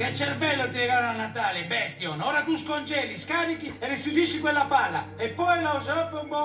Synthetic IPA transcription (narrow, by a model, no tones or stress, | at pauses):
kat͡ʃːɛrvɛlːot̪ilɛɡaːɾonanːat̪aːlɪbɛst̪jɔnɔːɾat̪uskɔnt͡ʃɛːliskaːɾikiɛrisud̪iʃːikwɛlːapalːaɛpːɔjlausaɔpːeubɔ